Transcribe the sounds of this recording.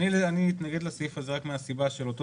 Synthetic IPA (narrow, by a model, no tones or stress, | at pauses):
ianiit̪naɡed̪lasifazeʁakmeasibaʃelo̞t̪o